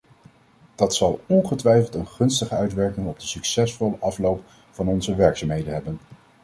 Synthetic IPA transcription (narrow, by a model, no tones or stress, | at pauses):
d̥ɑtsɑlˠɔnχətʋɛjfəlˠtənχɵnstəχəœɥtʋɛɹkɪŋɔb̚dəsyksɛsfɔləʔɑflowp | fɑnɔnzəʋɛɹksaːmɦejdənɦɛbən